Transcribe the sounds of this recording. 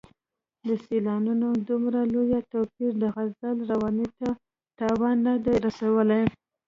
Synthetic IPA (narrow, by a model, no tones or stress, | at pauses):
d̪əselɑnunod̪umɾalojat̪apiɾd̪əɣazəlɾawɑnit̪a | t̪ɑwɑnːad̪ajɾasawəlaj